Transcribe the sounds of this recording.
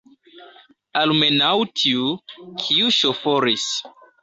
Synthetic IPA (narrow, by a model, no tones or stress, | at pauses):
almenawtʰiukʰiuʃofoɾis